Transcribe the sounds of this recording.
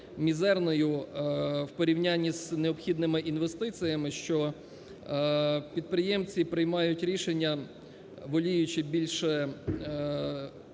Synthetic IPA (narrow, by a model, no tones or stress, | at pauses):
mʲizɛrnɔjʊ | wpɔɾʲiwnʲanʲːizneɔpxʲid̪nɪmɪʔinʋest̪ɪt͡sʲijɐmɪʃt͡ʃɔ | pʲid̪̚pɾɪjɛmt͡sʲipɾɪjmɑjʊtʲɾʲiʃenʲːɐ | ʋɔlʲijʊt͡ʃɪbʲilʲʃɛ